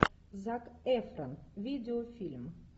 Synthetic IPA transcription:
zakɛfɾənviːd̪ʲeofilm

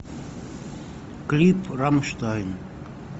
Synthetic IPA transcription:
klipʰɾamʃt̪ajn

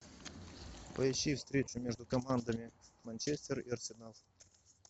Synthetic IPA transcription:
pɐɪɕifst̪ɾʲet͡ʃʊmʲeʐd̪ʊkɐmand̪ɐmʲɪmɐnʲt͡ʃesʲt̪ərḭɐrsʲɪnal

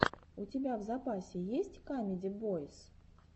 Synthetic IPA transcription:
ʊtʲɪbʲavzɐpasʲɪjesʲtʲkamʲɪdʲɪbojɪs

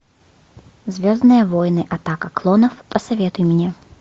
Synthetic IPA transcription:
zʲvʲoznɨjəvojnɨʔɐt̪akəklˠɔnəfpəsɐvʲet̪ʊjɪmnʲe

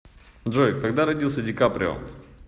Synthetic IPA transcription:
d̪ʐojkɐɡd̪aɾɐdʲilˠsʲədʲɪkapɾʲɪo̰m

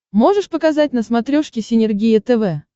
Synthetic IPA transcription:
mo̞ʐɨʂpəkɐzat̚ʲnəsmɐt̪ɾʲoʂkʲɪsʲɪnʲɪrɡʲijɪt̪ɛvɛ

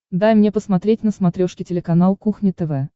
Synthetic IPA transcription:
d̪ajmnʲepəsmɐt̪ɾʲetʲnəsmɐt̪ɾʲoʂkʲɪtʲɪlʲɪkɐnalˠkuxnʲɪt̪ɛvɛ

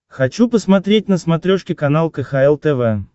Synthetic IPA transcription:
xɐt͡ɕupəsmɐt̪ɾʲet̚ʲnəsmɐt̪ɾʲoʂkʲɪkɐnalˠkəxaɛlˠt̪ɛvɛ

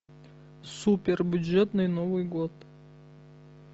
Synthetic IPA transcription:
supʲɪrbʲʊdʐɛt̪nɨjnovɨjɡot̪

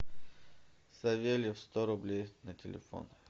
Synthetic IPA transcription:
sɐvʲelʲɪfst̪oɾʊblʲejnɐtʲɪlʲɪ̰fo̰n

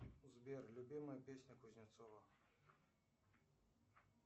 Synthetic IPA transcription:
uzbʲɛrlʲubʲimɐjɐpʲesʲnʲɐkuzʲnʲat̪sɔvɐ

